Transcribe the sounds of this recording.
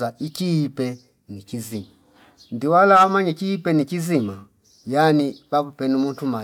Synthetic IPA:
aikiːpɛ | nikizima | ndiwalawamaɲɛkiːpɛnikizima | janibapupɛnimuntuma

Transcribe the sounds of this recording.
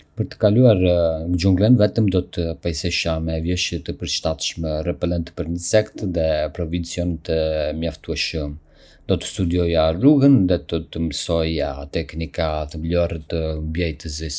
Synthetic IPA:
pəɾt̪ə̥kaluaɾŋd͡ʒuŋɡlənvɛt̪əmd̪ɔt̪əpajsɛʃamɛvjɛʃət̪əpəɾʃt̪at̪ʃmɛrɛpɛlɛnt̪pəɾnəsɛkt̪ðɛpɾɔvint͡siɔnət̪əmjaft̪uɛʃəm | d̪ɔt̪ə̥st̪ud̪iɔjaruɣənðɛd̪ɔt̪əməsɔjat̪ɛknikat̪əmlɔɾɛt̪əmbjɛjt̪əzis

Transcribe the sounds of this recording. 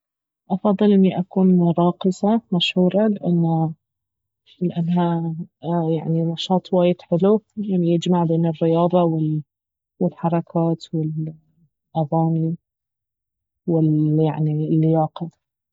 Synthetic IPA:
ʔɑfɑðˤːɨlʔɪnːiʔakuːnɾˤɑːqɨsˤɑmaʃhuːɾˤɑlɪʔanːa | lɪʔanːɦa | jaʕninɑʃɑːt̪ˤwaːjɪd̪̥ħɪlulamjɪd͡ʒmaʕbeːnɪrːɪjɑːðˤɑwɪl | wɪlħɑɾˤɑkʰaːt̪wɪl | ʔaðaːni | wɪljaʕnilːɪjɑːqɑ

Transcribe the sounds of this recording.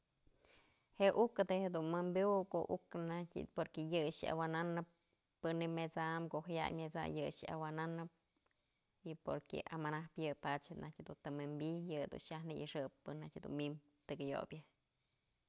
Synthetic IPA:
heʔʔukɨd̪ehed̪unmɨmbjuko̰ʔuknatʲpoɾkejɨʂa̰wananɨp̚ː | ɨnimet͡samkoʔhaja̰jmʲet͡sa̰jɨʂa̰wananɨp̚ | ipoɾkḛʔamanahpjɨpat͡ʃenʔahtʲhed̪unt̪ɨmɨmbʲijɨd̪ṵnʃahnɨʔɨʂɨpːɨnːahtʲhed̪ṵnmim | t̪ɨkɨjo̰bʲjɨ

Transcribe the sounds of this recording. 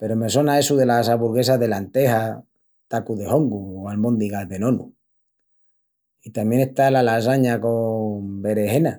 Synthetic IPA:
pe̞ɾome̞so̞nae̞suðelasaβuɾɣe̞saðe̞lant̪e̞ɦa | t̪akuðe̞ho̞ŋɡualmõnd̪iɣaðe̞nõ̞nṵ | it̪amje̞ŋest̪alalas̬aɲako̞mbe̞ɾe̞ɦe̞na

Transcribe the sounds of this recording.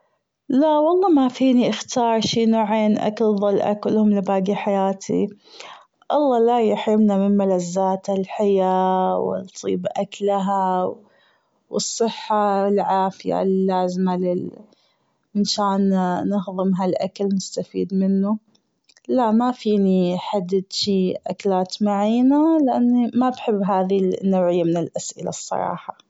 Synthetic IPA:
laʔwɑlˤːɑːmafiːniʔɪxt̪ɑːɾˤʃiːnoːʕeːnʔa̰kalðˤɑlʔa̰kʊlhʊmlɪbaːɡiħajaːt̪ʰḭ | ʔɑlˤːɑːlajɪħɾɪmnamɪnmalazːaːt̪alħɪjawɪ̰nt̪ˤʰḭːbʔaklɦaw | wɨsˤːɨħːaɪlʕaːfɪja̰lːaːzmalɪ | mɪnʃaːnːɪɦðˤɨmɦalʔakalmʊst̪afḭːd̪mɪnːu | laʔmafiːniħad̪ːɪd̪ʃiːʔaklaːt̪maʕiːnalɪʔanːimabħɪbːɦaːðinːawʕɪjːamɪnɪlʔasʔɪ̰la̰sˤːɑ̰ɾˤɑ̰ːħɑ

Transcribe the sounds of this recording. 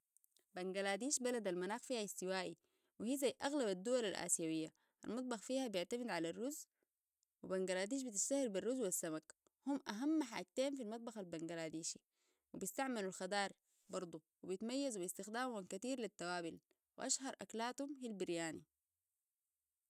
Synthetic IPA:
baŋɡalaːd̪iːʃbalad̪almanaːxfiːhaist̪iwaːʔi | wihiːzajʔaɣlabad̪ːuwalalʔa̰ːsijawijːa | ʔa̰lmɑt̪̚ˤbɑxfiːhabjɪʕt̪amid̪ʕalarːuz | wibaŋɡalaːd̪iːʃ̬bit̪̬iʃt̪ahːiɾbirːuzwasːamak | humʔaɦamːaħa̰ːd͡ʒ̚t̪eːnfilmɑt̪̚ˤbɑxalbaŋɡalaːd̪iːʃi̥ | wibst̪aʕmalulxɑd̪ɑːɾˤ | bɑɾˤd̪ˤuwibijit̪majːazubist̪ixd̪aːmumankat̪iːɾlit̪ːawaːbil | wʔaʃhɑɾˤʔa̰klaːt̪humhilbiɾjaːnḭ

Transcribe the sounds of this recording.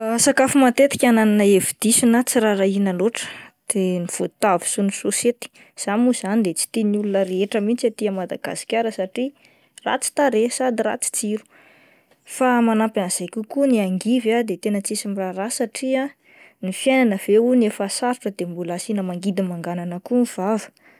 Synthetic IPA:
sakafumat̪et̪i̥kʲanananəevid̪̥isinat͡siɾaɾainaloʈ͡ʂə̥d̪̥eniv̥ut̪avu̥sunusoset̪i̥ | z̥amuz̥anid̪et͡si̥t̪inulunəɾeeʈ͡ʂəmint͡sat̪iəmad̪aɡa̰si̥kʲaɾəsaʈ͡ʂi | ra̰t͡si̥t̪aɾesad̪ira̰t͡si̥t͡siɾu̥ | famanampanz̥ajkʲukuniaŋɡivad̪et̪enət͡sisimiraɾasaʈ͡ʂia | nifjajnanəv̥eunefasaɾuʈ͡ʂəd̪embulasinəmaŋɡid̪imaŋɡananəkuniv̥avə̥

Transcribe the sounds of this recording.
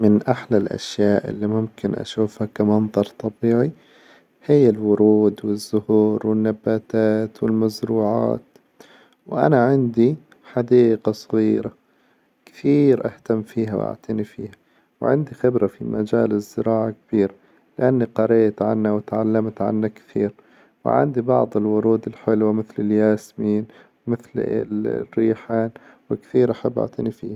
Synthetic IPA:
mɪnʔaħlalʔa̰ʃjaːʔʔɪ̰lːimʊmkɪnʔa̰ʃuːfhakamɑnðˤɑɾˤt̪ˤɑbiːʕi | hɪjːɪlwʊɾuːd̪wɪzːʊhuːɾwɪnːabːaːt̪aːt̪wɪlmazɾuːʕa̰ːt̪ | wʔa̰naʕɪnd̪i | ħad̪iːqasˤɑɣiːɾa | kɪ̥t̪iːɾʔa̰ht̪amːfiːɦawʔa̰ʕt̪ɪnifḭːhḁ | wʕɪ̰nd̪ixɪbɾafimʔad͡ʒaːlɪzːɪɾɑːʕakb̥iːɾ | lɪʔanːiqɑɾeːt̪ʕanːawɪt̪ʕalːamt̪ʕa̰nːakt̪ḭːɾ | wɪ̰ʕɪ̰nd̪ibɑ̰ʕd̪ˤɪlwʊɾuːd̪ɪlħɪlwamɪθlɪljaːsmiːn | wmɪθlɪ̰rːiːħaːn | wɪkt̪iːɾʔaħabːʔa̰ʕt̪ɪnifiːha

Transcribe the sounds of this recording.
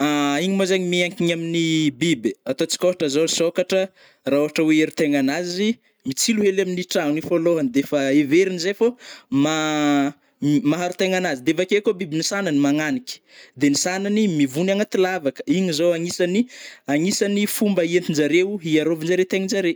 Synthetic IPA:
aiɲimozaɲimiaŋkiɲaminibibiat̪ot͡si̥kʲoɦaʈ͡ʂəzosokaʈ͡ʂə | raoɦaʈ͡ʂaweeɾut̪eŋanazi | mit͡siluɦelaminiʈ͡ʂanifoloɦand̪efaeveɾinizefoma | maɦaɾut̪eŋanazid̪evakekobibinisananimaŋanikʲi̥d̪enisananimivunaŋat̪ilavakə̥iɲizoaŋisaniaŋisanifumbəient̪ind͡ʒaɾewɦiaɾovind͡ʒaɾewt̪eɲinzaɾe

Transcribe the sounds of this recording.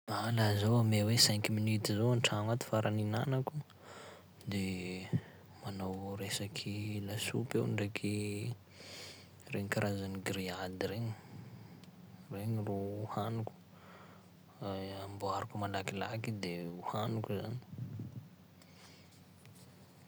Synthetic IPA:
alazowamewesɛŋkiminit̪izoanʈ͡ʂamat̪i̥faɾʔaninanaku | d̪e | manawɾesakʰilasṵpewɳɖ͡ʐekʰi | reɲikaɾʔazaniɡɾiad̪ireɲi̥ | reɲirouhanuku̥ | amboaɾukumalakilakid̪euhanukuzani̥

